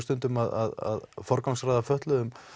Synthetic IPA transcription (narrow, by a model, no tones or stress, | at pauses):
t̪ʏnt̪ʏmaða̰ða̰ðfɔɾkawŋsrajðafœht̪lʏðʏm